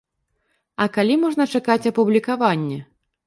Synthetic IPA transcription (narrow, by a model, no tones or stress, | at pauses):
ɐkalʲimɔʐn̪ɐt͡ʂakat͡sʲɐpublʲikavanʲːɛ